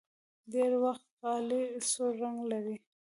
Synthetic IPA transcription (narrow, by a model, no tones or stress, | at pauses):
deɾwaxt̪qɑlisoɾaŋɡlaɾi